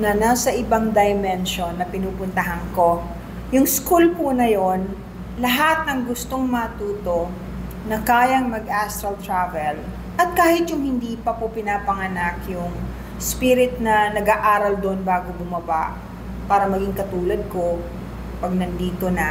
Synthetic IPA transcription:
nɐnasɐʔɪbaŋd̪ɐjmɛnʃonːɐpɪnuːpʊnt̪ɐɦɐŋko̞ | jʊŋskulpunɐjon | lɐɦat̪̚nɐŋɡʊst̪o̞ŋmɐŋɐt̪uːt̪o̞ | nɐkaːjɐŋmɐɡ̚ʔast̪ɾɐlt̪ɹavɛl | ʔɐt̪̚kaːhɪt̪jʊŋhɪnd̪iːpɐpopɪnaːpɐŋɐnakjʊŋ | spiɾɪt̪̚nɐnɐɡaːʔaːɾɐld̪oʔonbaːɡobʊmɐbaʔ | paːɾɐmɐɡiŋkɐt̪uːlɐd̪̚ko̞ | pɐɡ̚nɐnd̪iːt̪o̞nɐ

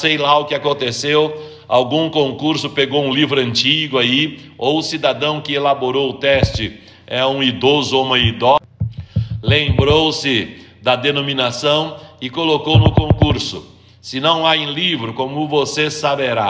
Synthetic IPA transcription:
sejlaʊkɪakõnt̪esew | awɡũkõkuɾsʊpeɡowũlivɾʊɐ̃nt͡ʃiɡʊaiowʊsid̪ad̪ɐ̃w̃kɪelaboɾowʊt̪ɛst͡ʃɪ | ɛũid̪ozʊoũmɐid̪ɔ | lẽmbɾowsɪd̪ɐd̪enominasɐ̃w̃ɪkolokownʊkõkuɾsʊ̰ | sɪnɐ̃w̃aẽlivɾʊkõmʊvosesabeɾa

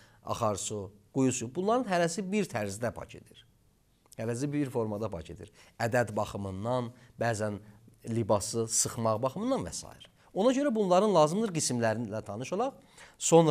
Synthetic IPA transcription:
ɑ̰χɑɾsuɡ̥ujusubunlˠɑɾɯnɦæɾæsibiɾt̪ʰæɾzd̪æpʰɑ̰cʰe̞̰d̪̥iɾ | hælæs̬ibiɾfo̞ɾmɑd̪ɑpʰɑ̰cʰe̞d̪ḭɾæd̪æd̪bɑχɯmɯnːɑnbæːzænlibɑsɯsɯχmɑʁbɑχɯmɯnd̪ɑnvæ̰sɑ̰ːḭɾ | o̞nɑɟø̞ɾæbunlˠɑɾɯnlˠɑːzɯmd̪ɯɾɡismlæɾinilæt̪ʰɑnɯʃolˠɑʁ | so̞nɾ

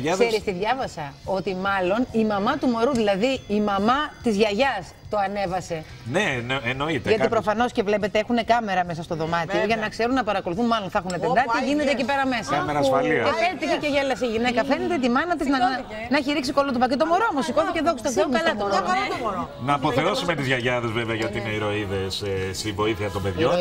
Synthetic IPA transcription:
sseɾist̪iðʝɐvɐsɐo̞t̪imɐlo̞nimɐmɐt̪umo̞ɾuðilɐðiːmɐmɐt̪izʝɐʝɐs | t̪o̞ɐne̞vɐse̞ | nenenoit̪ʝɐtipɾo̞fɐno̞sce̞vle̞pe̞t̪eexune̞kɐme̞ɾɐme̞sɐst̪o̞ðo̞mɐt̪ioʝɐnɐkse̞ɾunːɐpɐɾɐko̞luθunmɐlonθɐxuneped̪ɐt̪iʝine̞t̪ecipe̞ɾɐme̞sɐmeɐsliepet̪içece̞ʝelɐseiʝine̞kɐfe̞ne̞t̪et̪̬imɐnɐt̪iznɐ | nɐçiɾiksikolot̪opɐcet̪̬omoɾoomosikoθiceðokst̪ofekɐlɐt̪oo | nɐːpo̞θeo̞sumet̪izʝɐʝɐðezveveɐʝɐot̪iineiɾo̞iðe̞ssivo̞iθiɐt̪ombe̞ðʝon

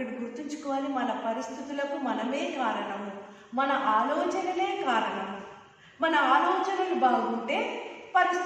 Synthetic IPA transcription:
ɐɽiɡuɾt̪iɲt͡ʃu̥kɔʋɐːlimɐnɐpɐɾist̪ʰit̪ulɐkumɐnɐme̞ːkaːɾɐɳɐmu | mɐnɐʔaːlɔːt͡ʃɐnɐle̞ːkaːɾɐɳɐmu | mɐnɐaːlɔːt͡ʃɐnɐlubaːɡuɳʈe̞ːpɐɾis

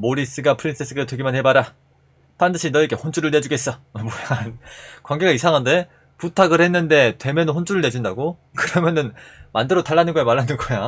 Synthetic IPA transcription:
moɾis͈ɯɡapʰɯɾins͈ʰes͈ʰɯɡatweɡimanhe̞baɾa | pandɯɕʰinʌeɡ͈e̞hont͡ɕuɾɯɭne̞d͡ʑuɡe̞s͈ʌmojankwaŋɡeɡaisʰaŋɦande̞ | putʰaɡɯɾhe̞nːɯnde̞twe̞mjʌnɯnɸont͡ɕ͈ʰuɾɯɭne̞d͡ʑindaɡo | kɯɾʌmjʌnɯnmandɯɾotaɭːanɯnɡʌjamaɭːanɯnɡʌja

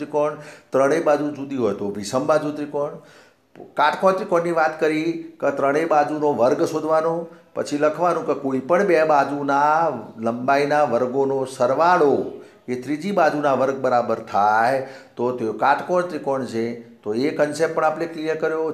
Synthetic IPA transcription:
ɾikɔɳt̪ɾəɽ̃ebad͡ʒud͡ʒud̪iɦojt̪oʋisəmbad͡ʒut̪ɾikɔɳ | kaʈkɔt̪ɾikɔɳːiʋat̪kəɾikət̪ɾəɽ̃ebad͡ʒunoʋəɾɡsod̪ʱʋanopə̰t͡ʃʰiləkʰʋanũkekoipəɳbɛbad͡ʒunaləmbainaʋəɾɡonosəɾʋaɭo | et̪ɾid͡ʒibad͡ʒunaʋəɾɡ̚bəɾabəɾt̪ʰajt̪ot̪eokaʈkɔɳt̪ɾikɔɳt͡ʃʰet̪oekənsepːpəɳapneklijəɾkəɾjo

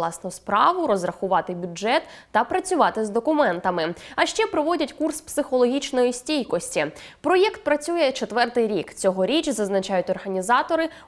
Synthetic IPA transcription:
lˠɑsnɔspɾɑʋʊɾɔzrɐxʊʋɑt̪ɪbʲʊd͡ʒɛt̪ːɐpɾɐt͡sʲʊʋɑt̪ɪzd̪ɔkʊmɛnt̪ɐmɪɐʃt͡ʃɛpɾɔʋɔdʲɐtʲkurspsɪxɔlˠɔɦʲit͡ʃnɔjisʲtʲijkɔsʲtʲipɾɔjɛkt̪̚pɾɐt͡sʲujɛt͡ʃe̞t̪ʋɛrt̪ɪjɾʲikt͡sʲɔɦɔɾʲit͡ʃzɐznɐt͡ʃɑjʊtʲɔrɦɐnʲizɑt̪ɔɾɪ

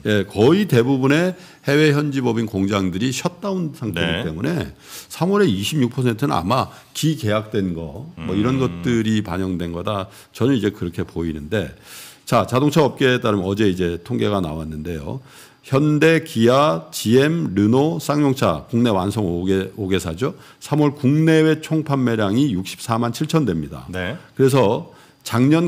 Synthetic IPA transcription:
je̞kʌite̞bubune̞ | he̞we̞çjʌnd͡ʑibʌbinkoŋd͡ʑaŋdɯɾiɕʰʌt̚t͈aunsʰaŋtʰeit͈e̞mune̞ | sʰamʌɾe̞iɕʰimɲjuk̚pʰʌsʰentʰɯnɯna̰ma | kike̞jak̚t͈we̞nɡʌmʌiɾʌnɡʌt̚t͈ɯɾipa̰ɲʌŋdwe̞nɡʌda | t͡ɕʌnɯnid͡ʑe̞kɯɾʌkʰe̞poinɯnde̞t͡ɕat͡ɕadoŋt͡ɕʰaʌp̚k͈e̞t͈aɾɯmjʌd͡ʑe̞id͡ʑe̞tʰoŋɡe̞ɣana̰wanːɯnde̞jo̰ | çjʌnde̞kijat͡ɕie̞mɾɯnos͈ʰaŋɲoŋt͡ɕʰa̰kuŋne̞wansʰʌŋoeoɡe̞sʰad͡ʑo | sʰamʌɭkuŋne̞we̞t͡ɕʰoŋpʰanːe̞ɾjaŋijuk̚ɕ͈ʰi̥p̚s͈ʰamant͡ɕʰiɭt͡ɕʰʌndwe̞mɲida̰nkɯɾe̞s̬ʰʌ | t͡ɕaŋɲʌn

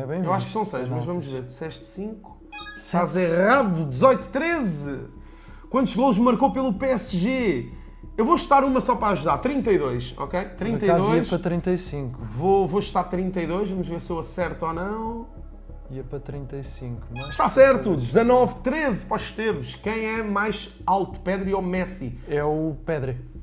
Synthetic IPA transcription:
ɛβɐ̃j̃vewaʃʃksɐ̃w̃sɐjʃmɐʒvɐmuʒveɾsɛʃt̪sĩŋku̥ | azɛʁaðud̪ɨzɔjt̪u̥t̪ɾezɨ | kwɐ̃nt̪uʒɣolˠʒmɐɾkopelˠupeɛsʒe | ewvoʃt̪aɾumɐsɔpɾaɐʒuðaɾt̪ɾĩnt̪ɐiðojʃɔ̰kejt̪ɾĩnɐiaðzojiɐʃpɾɐt̪ɾĩnt̪ɐjsĩŋkuvovoʃt̪aɾt̪ɾĩnt̪ɐiðojʃʒvɐmuʒveɾsewɐsɛɾt̪ɔnɐ̃w̃ | iɐpɾɐt̪ɾĩnt̪ɐjsĩŋkuñʃt̪asɛɾt̪ud̪ɨzɐnɔvt̪ɾezpɔʃt̪eɾvuʃkɐ̃j̃ɛmajʃ | alˠt̪u̥pɛðɾiɔmɛsḭɛupɛðɾi

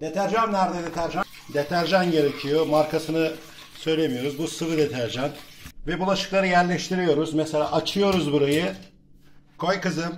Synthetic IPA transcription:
d̪̥et̪ʰæɾʒamnæɾd̪ɛd̪et̪ʰæɾʒan | d̪et̪ʰæɾʒanɟe̞ɾe̞cʰijo̞maɾkʰasɯnɯ | sø̞jlʲe̞mijo̞ɾuzbusɯvɯd̪et̪ʰæɾʒanvɛbulˠaʃɯ̥klˠaɾɯjæɾlʲɛʃt̪ʰiɾijo̞ɾuzmɛselʲa̰ːʔat͡ʃʰɯjo̞ɾuzbuɾajɯ | kʰo̞jkɯzɯm

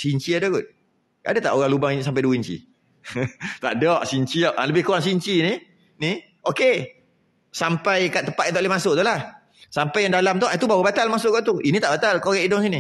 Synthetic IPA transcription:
siɲt͡ʃiadaɡut̪̚ | a̰dat̪aʔoɣaŋlubaŋisampajduiɲt͡ʃḭ | t̪aʔdɔʔsiɲt͡ʃiaʔʔaləbɪhkuwaŋsiɲt͡ʃini | ni | oke | sampajkaʔt̪ːəpat̪̚it̪ɔʔlemasʊʔt̪ulah | sampajaŋdalamt̪ɔʔait̪ubawabat̪almasʊʔɡɔʔt̪uinit̪aʔbat̪alkoɣɛʔidɔŋs̬ini

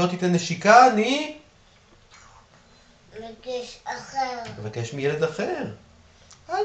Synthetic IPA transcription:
ot̪it̪eneʃikani | laɡɛʃaχeʁevakeʃmijeled̪aχeʁ

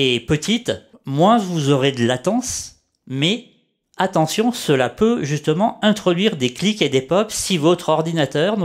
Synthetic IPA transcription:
epət̪it̪mwɛ̃vuzɔʁed̪əlat̪ɑ̃s | mɛ | at̪ɑ̃sjɔ̃səlapøʒyst̪əmɑ̃ɛ̃t̪χɔd̪ɥiʁd̪ekliked̪epɔpsivot̪χɔʁd̪inat̪œʁn

